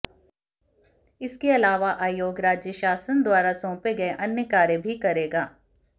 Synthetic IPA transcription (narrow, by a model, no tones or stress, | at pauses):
ɪskeɐlaːʋaʔaːjoːɡɾaːd͡ʒjəʃaːsənd̪waːɾasɔ̃ːpeɡɐeʔɐnjəkaːɾjəbʱikɐɾeːɡaː